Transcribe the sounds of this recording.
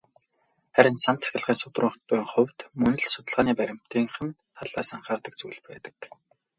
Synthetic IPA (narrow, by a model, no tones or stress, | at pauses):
χæɾʲɪ̆nsant̪ʰːæ̥xʲɪ̆ɮʁiːnsʊt̪rʊːɴχt̪̚pʊj̆ŋχʊwʲt̪mɵnɘ̆ɮsʊt̪ə̆ɮʁaːniːpæɾʲɪ̆m̥t̪iːŋχɘ̆n | t̪ʰaɮaːsaɴχaːrt̪ə̆k̚t͡sujɮpæ̰ːt̪ə̥̆k